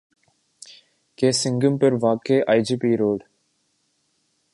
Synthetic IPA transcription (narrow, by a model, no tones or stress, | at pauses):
keːsɪ̃ŋɡəmpəɾʋaːkeːʔaːɪd͡ʒipiːɾoːɖ